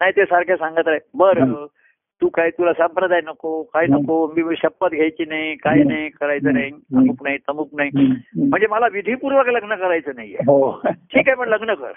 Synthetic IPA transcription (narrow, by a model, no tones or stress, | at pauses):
naɦit̪esaɾkʰjasãŋɡət̪ɾajbəɾə | t̪uːkajt̪ulasampɾəd̪ʱajnəkokajinəkomiːɕəpːət̪ɡʱjejt͡ɕiːnaikajnajkəɾajt͡səɾaiəmuknait̪əmuknaim̤əɳd͡zeməlaʋid̪ʱipuɾʋəkləɡnəkəɾajt͡səːnajːḛɦoʈʰiːkajpəɳləɡnəkə̰ɾ